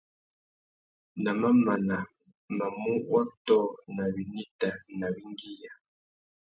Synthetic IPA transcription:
na˨ma˦ma˨na˨ | ma˨mu˦wa˦tɔ˦na˨βi˨ni˦ta˨na˨bi˦ŋɡi˦ja˨

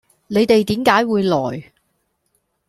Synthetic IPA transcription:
ne˨˧jt̪e˨jt̪iː˨˥mkaː˨˥jwuː˨˧jlɔ̰ː˨˩j

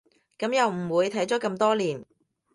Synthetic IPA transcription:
kɐ˨˥mjɐ˨wm̩˨˩wuː˨˧jt̪ʰɐ˨˥jt͡ʃɔː˨˥kɐ˧mt̪ɔː˥liː˨˩n

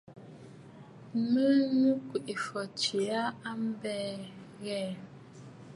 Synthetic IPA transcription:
mə˦nu˦kwi˨ʔi˨fɔ˨t͡ʃi˨a˦a˦m˦bɛː˦˨ | ɣɛː˨

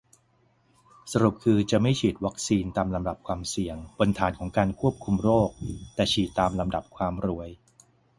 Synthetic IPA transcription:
sa˧ɾu˨˩p̚kʰɯː˧t͡ɕa˨˩ma˥˩jt͡ɕʰiː˨˩t̪̚wa˦˥k̚siː˧nt̪aː˧mla˧mda˨˩p̚kʰwaː˧msi˨˩əŋpo˧nt̪ʰaː˩˦nkʰɔː˩˦ŋkaː˧nkʰu˥˩əp̚kʰu˧mɾoː˥˩k̚t̪ɛː˨˩t͡ɕʰiː˨˩t̪ːaː˧mla˧mda˨˩p̚kʰwaː˧mɾu˧˩əj

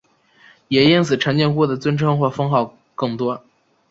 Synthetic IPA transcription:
jɛ˨˩i˥nsɹ̩˨˩ʈ͡ʂʰə˧˥ŋt͡ɕjɛ˥˧nŋkwɔ˥˩d̪ə˨˩t͡swə˥nʈ͡ʂʰɤ˥ŋxwɔ˥˩fɤ˥ŋxɑ˥˩ʊ | kɤ˥˩ŋt̪wɔ˥

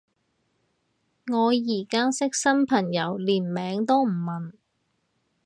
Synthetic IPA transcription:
ŋɔː˨˧jiː˨˩kaː˥sɪ˥k̚sɐ˥npʰɐ˨˩ŋjɐ˨˧˥wliː˨˩nmɛː˨˥ŋt̪o˥wm̩˨˩mɐ˨n

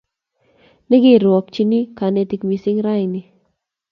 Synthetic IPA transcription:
nɛ˦ɡɪ˦˨ɾwɔ˨kt͡ʃi˦ni˦ka˨nɛ˦ti˧kmi˨sɪ˦ŋɾa˦jnɪ˨

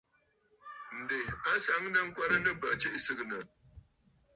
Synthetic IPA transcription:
n̩˨de˨a˦sa˨˦ŋ˦na˦ŋ̩˦kʷa˦nə˦nə˦bə˨ʔt͡ʃe˦ʔsɨ˦ɣnə˨

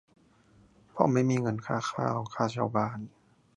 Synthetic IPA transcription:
pʰɔ̰˧˥˨ma˧˥˩jmiː˧˨ŋɤ˧˩nkʰaː˧˩xʰa̰ː˧˩˨wkʰaː˧˩wt͡ɕʰa˧˩wbaː˧˨n

